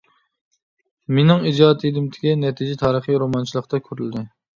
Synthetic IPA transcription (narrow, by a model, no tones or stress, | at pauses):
menɪŋid͡ʒɑːt̪ʰid̪ɪmt̪ʰɪ̥kʲɛnɛt̪ʰid͡ʒɪt̪ʰɑːɾəχiɾomɑnt͡ʃʰilˠəqt̪ɑkʲʰøɾyld̪ɪ